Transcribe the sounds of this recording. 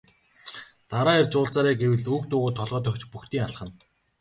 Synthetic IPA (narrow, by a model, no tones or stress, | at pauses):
t̪aɾaːert͡sʊːɮt͡saːɾæːɡewɘ̆ɮukt̪ʊːʁʊːt̪ʰːɔɮʁœːt̪œ̆xt͡ɕpuxt̪iːŋaɮχə̆n